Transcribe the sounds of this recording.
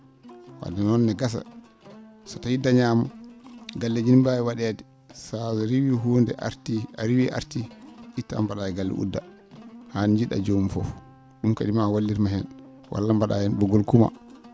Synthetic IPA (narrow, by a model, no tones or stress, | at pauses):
wa̰dɛnɔnːɛɡas̬a̰ | sɔtahidːaɲamaɡalːed͡ʒinmbajɛwaɗɛdi | sazɛɾiwiɦundɛ̰ɾtiaɾiwiʔa̰ɾtiʔitːa̰mbaɗajɛɡalːɛ̰ʔṵdːa | hand͡ʒiɗa̰d͡ʒomfɔ̰f | ɗumkaɗimawalːiɾmaɦɛn | wa̰lːambaɗajɛnbɔɡɔlkuma̰